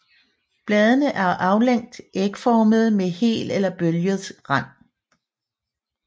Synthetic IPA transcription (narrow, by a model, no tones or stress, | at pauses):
b̥lɛːð̞ˠənəʔæɐʔɑ̈ʊleŋ̰d̥eɡ̥fɒːməð̞ˠmehe̝̰ːlelɐb̥øljəð̩ˠsʁɑn̰